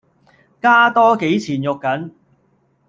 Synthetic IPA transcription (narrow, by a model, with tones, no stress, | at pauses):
kaː˥t̪ɔː˥ke˨˥jt͡sʰiː˨˩njʊ˨kːɐ˨˥n